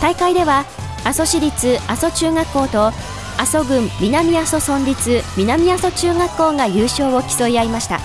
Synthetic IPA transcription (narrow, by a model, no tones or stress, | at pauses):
t̪aikaid̪e̞βa | aso̞ɕiɾʲit͡sɨaso̞t͡ɕɨːŋakːo̞ːt̪o̞ | aso̞ɡɯ̟̃mːʲinamʲiaso̞sõ̞ɲɾʲit͡sɨmʲinamʲiaso̞t͡ɕɨːŋakːo̞ːŋajɯːɕo̞ːo̞kʲi̥so̞iaimaɕi̥t̪a̰